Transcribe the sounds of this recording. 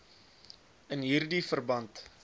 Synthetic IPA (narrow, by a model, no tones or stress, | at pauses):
ənɦiːrdifərbɐnt